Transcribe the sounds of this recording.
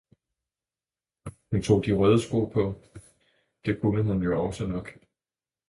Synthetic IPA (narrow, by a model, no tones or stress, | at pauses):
hunt͡sʰo̝̰ːd̥iʁœð̞ˠəsɡ̥o̝̰ːpʰɒ̽ | d̥e̝kʰunəɦunjo̝ɒ̽sənɒ̽ɡ̥